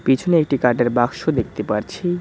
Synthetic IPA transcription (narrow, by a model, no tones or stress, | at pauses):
pit͡ɕʰoneek̚ʈikaɾʈeɾbakʃod̪ek̚ʰt̪epaɾt͡ɕʰi